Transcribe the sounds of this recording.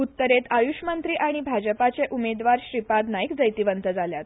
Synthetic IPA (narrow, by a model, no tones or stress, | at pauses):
ut̪ːəɾet̪ajuɕmənt̪ɾiːʔaɽ̃ibʱad͡ʑəpat͡seʔumed̪ʋaɾɕɾipad̪najikd͡zəjt̪iʋənt̪əd͡zaljat̪